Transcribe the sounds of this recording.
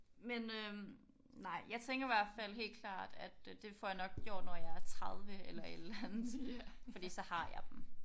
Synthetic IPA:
menø | nɑ̈ɪ̰jɑ̈ɪt͡sʰeŋɡ̥ɐiʋæɐ̰d̥fæl̰ɦe̝̰ːl̥kʰlɑ̰̈ːd̥æd̥d̥e̝fɒjɑ̈nɒ̽ɡ̥̚ɡjo̝ɐ̰d̥nɒjɑ̈ɪæɐt͡sʰʁɑðˠʋəelɐed̥əlæænð̩ˠsifɒd̥ḭːsɒ̽hɑ̈jɑ̈ɪd̥m̩

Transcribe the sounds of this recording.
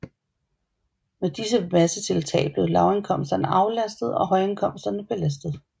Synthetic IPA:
med̥is̬əmæsət͡sʰe̝lt͡sʰɛ̰ːɪb̥le̝ʊlɑ̈ʊenkʰɒ̽m̰sd̥ɐnəʔɑ̈ʊlæsd̥ð̞̩ˠɒ̽ɦɒ̽ɪenkʰɒ̽m̰sd̥ɐnəb̥e̝læs̬d̥ð̩ˠ

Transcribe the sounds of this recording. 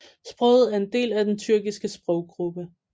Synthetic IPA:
sb̥ʁœ̰ːð̞̩ˠæɐe̝nd̥e̝̰ːlæd̥ent͡sʰyɐɡ̥isɡ̥əsb̥ʁɒʊ̰ɡ̥ʁub̥ə

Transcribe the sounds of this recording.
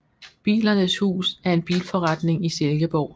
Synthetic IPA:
b̥ḭːlɐnəshṵːsæɐe̝nb̥ḭːlfɒ̽ʁɑd̥ne̝ŋiselɡ̥əb̥ɒʊ̰

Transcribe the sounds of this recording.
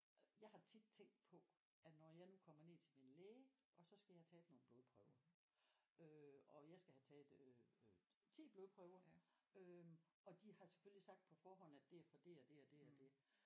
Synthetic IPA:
jɑ̈ɪhɑ̈t͡sʰid̥̚t͡sʰeŋ̰ɡd̥̚pʰɒ̽ | ʔæ̥nɒjɑ̈ɪnukʰɒ̽m̰ɐne̝t͡sʰe̝minleːəʔɒ̽sɒ̽sɡ̥æjɑ̈t͡sʰɛ̰ːd̥no̝ːn̩b̥o̝ðˠpʰʁœʊɐ | øɒ̽jɑ̈ɪsɡ̥æhæt͡sʰɛːdø | t͡sʰḭːb̥lo̝ːðˠpʰʁœʊɐøɒ̽d̥ihɑ̈se̥følisɑ̈ɡ̥̚d̥̚pʰɒ̽fɒːɦɒ̽n̰æd̥e̝æɐfɒd̥e̝ɒd̥e̝ɒd̥e̝ɒd̥e̝

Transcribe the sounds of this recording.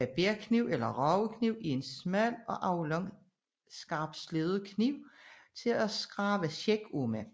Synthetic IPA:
æb̥eɐkʰniʊ̰elɐʁɒʊəkʰniʊ̰ie̝nsmæl̰ɒ̽ʔɑ̈ʊlɒŋ | sɡ̥ɑ̈ːb̥sleð̩ˠəkʰniʊ̰t͡sʰe̝læsɡ̥ʁɑ̈ːʋəɕeɡ̥omæ

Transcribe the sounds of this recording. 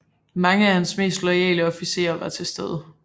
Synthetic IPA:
mɑ̈ŋəæhænsme̝̰ːsd̥lɒɪɛ̰ːləɒ̽fise̝̰ːɐʋɑ̈t͡sʰe̝sd̥eð̞ˠə

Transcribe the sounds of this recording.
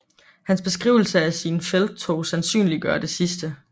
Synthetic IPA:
hænsb̥e̝sɡ̥ʁḭːʊl̩səæsinfel̥̚t͡sʰoːsænsy̰ːnliɡ̥ɶɐd̥e̝sisd̥ə

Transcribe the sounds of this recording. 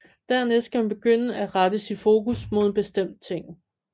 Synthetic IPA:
d̥æɐ̰ne̥sɡ̥æmænb̥e̝ɡ̥øn̰əæʁɑd̥əsid̥fo̝ːkusmo̝ð̞̰ˠb̥e̝sd̥em̰d̥̚t͡sʰe̝ŋ̰

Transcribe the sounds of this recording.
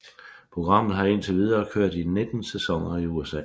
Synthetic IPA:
pʰʁo̝ɡ̥ʁɑ̈m̰ð̩ˠɦɑ̈e̝nt͡sʰe̝ʋið̞ˠɐːkʰøɐ̰d̥ined̥n̩sesɒ̽ŋ̰ɐiuesɛ̰ː

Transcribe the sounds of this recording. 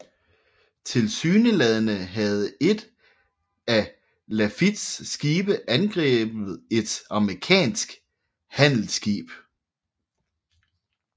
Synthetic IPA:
t͡sʰe̝lsyːnəlɛðˠənəɦæð̞̩ˠe̝d̥ | æ | læfid̥sːɡ̥iːb̥əʔænɡ̥ʁɛ̰ːb̥ð̩ˠe̝d̥ɑ̈mʁikʰɛ̰ːnsɡ̥ | hæn̰l̩sɡ̥ḭːb̥

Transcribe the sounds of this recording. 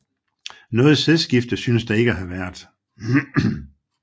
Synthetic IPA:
nɔ̽ːð̞̩ˠseðˠsɡ̥ifd̥ðsynəsd̥ɑ̈e̝ɡ̥əæɦæʋæɐ̰d̥

